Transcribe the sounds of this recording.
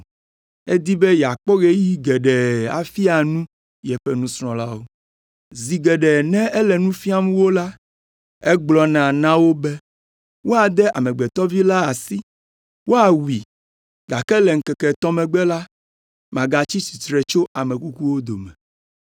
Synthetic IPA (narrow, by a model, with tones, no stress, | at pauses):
e˦d̪i˦bɛ˦jɛ˨a˨k͡pɔ˦ɣe˦ji˦ɡɛ˨ɖɛ˨a̰˨fi˦a˨nũ˦ | jɛ˨ɸɛ˦nũ˦sɾ̃ɔ̃˨la˦wo˦ | zi˨ɡɛ˨ɖɛ˨nɛ̃˦ɛ˦lɛ˨nũ˦fi˦a˦mũ˦wo˦la˦ | ɛ˦ɡ͡blɔ˨nã˨nã˦wo˦bɛ˦ | wo˦a˨d̪ɛ˦ʔa̰˨mɛ̃˨ɡ͡bɛ˨t̪ɔ˦vi˦la˦a˨si˦ | wo˦a˨wi˨ | ɡa˨kɛ˦lɛ˨ŋ̩˨˦kɛ˨kɛ˨t̪ɔ˦mɛ̃˨ɡ͡bɛ˦la˦ | mã˨ɡa˨t͡ɕi˦si˨t̪ɾɛ˨t͡ʃo˦a˨mɛ̃˨ku˦ku˦wo˦d̪o˨mɛ̃˨